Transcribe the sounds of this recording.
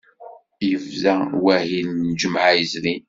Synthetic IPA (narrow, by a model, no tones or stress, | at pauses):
jəvzæwæhinːd͡ʒəmʕajəzli